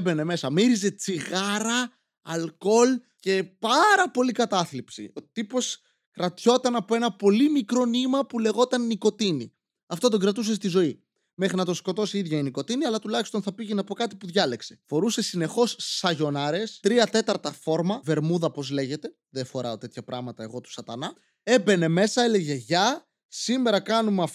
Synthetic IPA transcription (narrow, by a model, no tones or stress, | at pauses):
be̞ne̞me̞sɐmiɾize̞t͡siɣɐɾɐː | lko̞l | ce̞pɐɾɐpo̞likɐt̪ɐθlipsḭot̪ipo̞s | kɾɐt̪ço̞t̪ɐnɐpo̞e̞nɐpo̞limikɾo̞nimɐpule̞ɣo̞t̪ɐnːiko̞t̪inḭ | ɐft̪o̞t̪o̞ɡɾɐt̪us̬e̞st̪izo̞i | me̞xɾinɐt̪o̞sko̞t̪o̞siiðʝɐiniko̞t̪iniɐlɐt̪ulɐçist̪o̞nθɐpiʝenɐpo̞kɐt̪i̥puðʝɐle̞kse̞̥fo̞ɾuse̞sine̞xo̞sːɐʝo̞nɐɾe̞st̪ɾiɐt̪e̞t̪ɐɾt̪ɐfo̞ɾmɐve̞ɾmuðɐpo̞zle̞ʝe̞t̪e̞ | ðefo̞ɾɐot̪e̞t̪çɐpɾʔɐɣmɐt̪ɐeɣo̞t̪u̥sɐt̪ɐnɐ | e̞be̞ne̞me̞sɐe̞le̞ʝe̞ʝɐ | sime̞ɾɐkɐnumɐf